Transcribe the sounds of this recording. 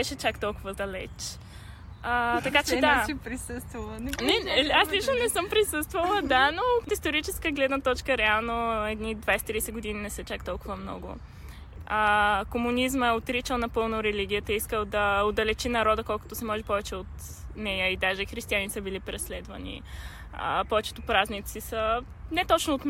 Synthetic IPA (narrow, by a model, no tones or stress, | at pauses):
b̥ɛʃɛt͡ʃakt̪ɔlˠkʊvəd̪ɐlɛ̰t͡ʃ | ət̪ɐkat͡ʃɛd̪aɛpɾisəst̪vɐlˠnɛaslit͡ʃnonɛsɤmpɾisɤst̪vəlˠəd̪anoot̪ist̪oɾit͡ʃɛskəɡlɛd̪nət̪ɔt͡ʃkəɾɛalˠnoɛd̪nid̪vajsɛ̥t̪ɾisɛɡod̪ininɛsɛt͡ʃakt̪ɔlˠkʊvəmnɔ̰ɡʊ̰ | əkomunizməɛot̪ɾit͡ʃəlˠnɐpɤlˠnoɾɛliɡʲiət̪əiskəlˠd̪ɐod̪ɐlɛt͡ʃinɐɾɔd̪əkɔlˠkʊt̪osɛmɔʒɛpɔvɛt͡ʃɛot̪ | nɛjəid̪aʒɛxɾist̪ianisəbilipɾɛslɛd̪vɐ̰nḭ | ə̰pɔvɛt͡ʃɛ̥t̪opɾaznit̪sisə | nɛt̪ɔt͡ʃnoːt̪m